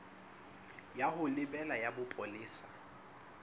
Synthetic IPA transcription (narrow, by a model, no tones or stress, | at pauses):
jahʊlɪbɛlajabʊpʼɔlɪːsḁ